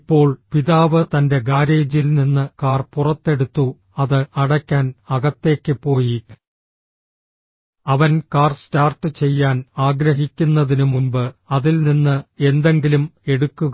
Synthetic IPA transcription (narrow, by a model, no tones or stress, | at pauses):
pːo̞ːɭpiðaːʋɨt̪ɐnde̞ɡaːɾe̞ːd͡ʑilninːɨkaːrpurɐt̪ːe̞ɽut̪ːu | ɐðɨɐɽɐkʲːaːnɐɣɐt̪ːe̞ːkʲːɨpo̞ːji | ɐʋɐnkaːrstaːrt̪ɨt͡ɕe̞jːaːnaːɡɾɐɦikʲːunːɐðinumumbɨɐðilninːɨe̞nd̪e̞ŋɡilume̞ɽukːuɣ